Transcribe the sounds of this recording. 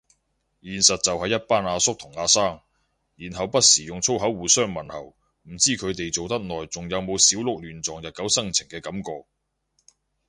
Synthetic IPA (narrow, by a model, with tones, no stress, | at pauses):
jiː˨nsɐ˨t̚t͡sɐ˨whɐ˨jːɐ˥t̚paː˥naː˨˧sʊ˥k̚t̪ʰʊ˨˩ŋaː˧saː˥ŋ | jiː˨˩nɦɐ˨wpɐ˥t̚siː˨˩jʊ˨ŋt͡sʰo˥wɦɐ˨˥wːuː˨sœː˥˩ŋmɐ˨˩nhɐ̰˨˩w | m̩˨˩t͡siː˥kʰɵ˨˧t̪e˨jt͡so˨wt̪ɐ˥k̚nɔː˨jt͡sʊ˨ŋjɐ˨˧wmo˨˧wsiː˨˥wlʊ˨k̚lyː˨˩nt͡sɔː˨˩ŋjɐ˨t̚kɐ˨˥wsɐ˥ŋt͡sʰɪ˨˩ŋkɛː˧kɐ˨˥mkɔː˨˧k̚